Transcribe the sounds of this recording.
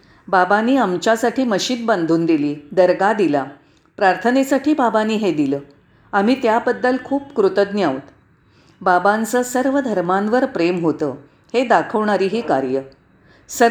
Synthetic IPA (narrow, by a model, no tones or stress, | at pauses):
babanːiːamt͡ɕjasaʈʰiːməɕiːnband̪ʱuːnd̪iliːd̪əɾɡad̪ila | pɾaɾt̪ʰənesaʈʰiːbabanːiːɦed̪iləː | am̤iːt̪jabəd̪ːəlkʰuːpkɾut̪əd̪njaʋt̪ | babãnt͡səːsəɾʋəd̪ʱəɾmãnʋəɾpɾemɦot̪əː | hed̪akʰəʋɳaɾiːɦiːkaɾjə | sə